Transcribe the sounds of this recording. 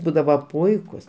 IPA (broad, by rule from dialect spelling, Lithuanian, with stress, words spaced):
ˈbuːdɐʋɐ ˈpʊɪkʊs